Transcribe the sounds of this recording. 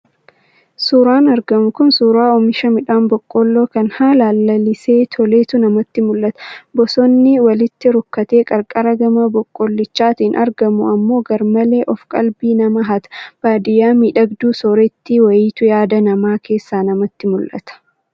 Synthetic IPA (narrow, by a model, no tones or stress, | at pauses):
suːɾaːnɐɾɡɐmʊkʊnsuːɾaːɔmɪʃɐmɪᶑaːnbɔkʼːɔlːo̞ːkɐnhaːlaːlːɐlɪseːt̪ʰɔle̞ːt̪ʊnɐmɐt̪ːɪmʊlʔɐt̪ɐ̥bɔsɔnːɪwɐlɪt̪ːɪɾʊkːɐt̪e̞ːkʼɐɾkʼɐɾɐɡɐmɐbɔkʼːɔlːɪt͡ʃːaːt̪iːnʔɐɾɡɐmʊɐmːo̞ːɡɐɾmɐle̞ːʔɔfkʼɐ̰lbiːnɐmɐɦɐt̪ɐ̥b̥aːd̪ɪjaːmiːᶑɐɡd̪uːsɔɾɛt̪ːɪwɐjiːt̪ʊjaːd̪ɐnɐmaːke̞ːsːaːnɐmɐt̪ːɪmʊlʔɐ̰t̪ɐ̥